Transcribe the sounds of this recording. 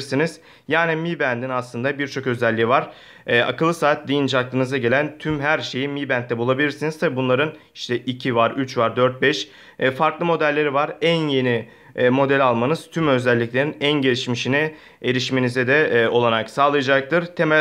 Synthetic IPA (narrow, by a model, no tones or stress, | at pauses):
ɾsiniz̥ | jaːnɛmibænd̪inaslˠɯnd̪abiɾt͡ʃʰo̞kø̞zɛlʲːijivaɾ̥ | ɛa̰kɯlˠːɯsaːt̪̚d̪ijnd͡ʒaklˠɯnɯzaɟe̞lʲænt̪ʰymɦæɾʃe̞jimibænt̪ːɛbulˠabilʲiɾsinizt̪ʰɛbunlˠaɾɯn | i̥ʃt̪ʰɛʔicʰivaɾyt͡ʃvaɾd̪øɾt̪̚bɛʃ | faɾklˠɯmo̞d̪ælʲːe̞ɾivaɾænje̞ni | mo̞d̪ælʲalˠmanɯz̥t̪ʰymø̞zælʲːiclʲeɾinænɟe̞ɾʲiʃmiʃini | e̞ɾiʃme̞nizɛd̪ɛo̞lˠaɾaksaːlˠɯjad͡ʒak̚t̪ʰɯɾt̪ʰemæ